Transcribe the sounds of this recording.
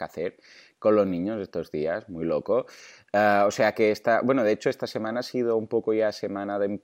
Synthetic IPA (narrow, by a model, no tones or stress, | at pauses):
kaθeɾ | kolozniɲozest̪ozðiazmujloko | aoseakeest̪abwenoðeet͡ʃoest̪asemanaasið̞oumpokoʝasemanaðem